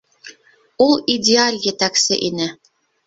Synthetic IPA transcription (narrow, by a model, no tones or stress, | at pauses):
ulˠidʲealʲjet̪æksɘʔinɘ